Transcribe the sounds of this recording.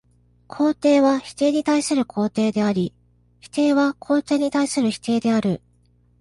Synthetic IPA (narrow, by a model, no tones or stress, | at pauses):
kʰo̞ːt̪e̞ːβaçi̥t̪e̞ːɲ̟it̪aisɨɾɯ̟kʰo̞ːt̪e̞ːd̪e̞aɾʲi | çi̥t̪e̞ːβakʰo̞ːt̪e̞ːɲ̟it̪aisɨɾɯ̟çi̥t̪e̞ːd̪e̞aɾɯ̟